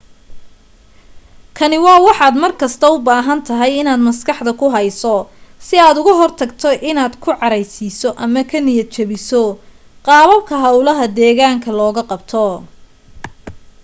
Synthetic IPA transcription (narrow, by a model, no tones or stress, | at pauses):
kʰɐnɪwɑːwɑħɑːd̪mɐrkʰɐst̪ʰɐʊbaːɦɐnt̪ʰɐɦɛjɪnaːd̪mɐskʰɑħd̪ɐkʰʊɦɐjsɔsɪaːd̪ʊɣɐɦɔrt̪ʰɐɡt̪ʰɔʔɪnaːd̪kʰʊʕɑɾɛjsiːsɔʔɐmɐkʰɐnɪjɐt͡ʃɐβɪsɔ | qɑːβɐb̚kʰɐɦɐwlɐɦɐd̪ɛːɣaːŋkʰɐlɔːɣɐqɑbt̪ʰɔ